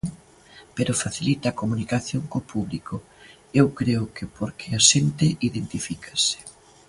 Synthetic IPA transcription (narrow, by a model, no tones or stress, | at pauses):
peɾʊfaθilit̪ɐːkomunikaθjoŋkopʰuβlikʊ | ewkɾeʊkɪpoɾkʰeaʃent̪ɪiðent̪ifikʰɐ̥sɪ̥